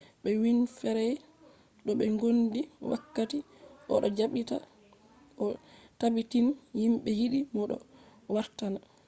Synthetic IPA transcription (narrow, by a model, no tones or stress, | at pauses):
ɓɛwinfɛɾɛ | ɗɔɓɛŋɡondiwa̰kːati | ʔɔ̰ɗɔd͡ʒaɓita̰ | ʔɔtabitinhimɓɛjiɗimɔɗɔ̰ | waɾtana